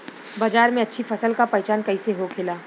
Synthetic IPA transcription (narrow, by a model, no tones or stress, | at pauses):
baːd͡ʒaːɾmẽɐtːʃʰifʰɐsəlkapɐɛt͡ʃaːnkɐiseɦokʰeːlaː